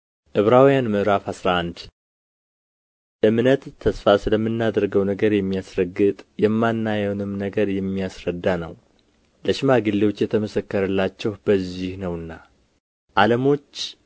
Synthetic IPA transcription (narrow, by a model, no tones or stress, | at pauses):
ʔɨβɾawjanməɾafhasɾaʔand̪ | ʔɨmnət̪ʰːəsfasɨləmːɨnːad̪ɾɡəwnəɡəɾjɛmːijasɾəɡɨt̪ʼjɛmːanːajɛwnɨmnəɡəɾjɛmːijasɾəd̪ːanə̰w | ləʃɪmaɡɨlːewo̞t͡ʃːjɛt̪ʰəməsəkːəɾəlːat͡ʃːɛhb̥əzːihnəwɨnːa | ʔaləmo̞t͡ʃː